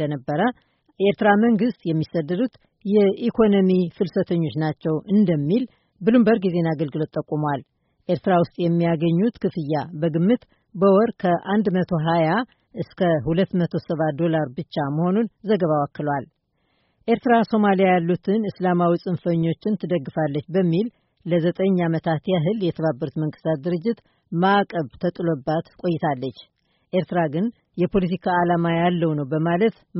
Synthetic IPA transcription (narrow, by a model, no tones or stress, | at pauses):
ənəbːəɾə | ʔeɾt̪ɨɾaməŋɡɨst̪jɛmːisəd̪ːəd̪ut̪ | jɛikʰo̞nomifɨlsət̪ʰəɲːo̞t͡ʃnat͡ʃːɛwʔɨnd̪əmːil | bɨlɨmbəɾɡize̞naɡəlɡɨlo̞t̪ʼːəkʼːumwal | ʔeɾt̪ɨɾawʊst̪ʼjɛmːijaɡəɲːut̪kʰɨfɨjːabəɡɨmːɨt̪ | bəwɔɾkʰəʔand̪mət̪ʰo̞ɦaja | ʔɨskʰəhulət̪ːmət̪ʰo̞səβat̪̚d̪o̞laɾbɨt͡ʃːaməho̞nunzəɡəβawakːɨlwal | ʔe̞ɾt̪ɨɾaso̞malijajalːut̪ʰɨnɨslamawisʼɨnfəɲːo̞t͡ʃːɪnt̪ʰɨd̪əɡːɨfalːət͡ʃːbəmːil | ləzət̪ʼəɲːamət̪ʰat̪jaɦɨljɛt̪ʰəβabːəɾut̪məŋɡɨst̪ʰat̪̚d̪ɨɾɨd͡ʒːɪt̪ | maʔkʼəβt̪ʰət̪ʼlobːat̪kʼo̞jɪt̪ʰalːət͡ʃː | ʔe̞ɾt̪ɨɾaɡɨn | jɛpʰo̞lit̪ikʰaːlamajalːəwnəwbəmalət̪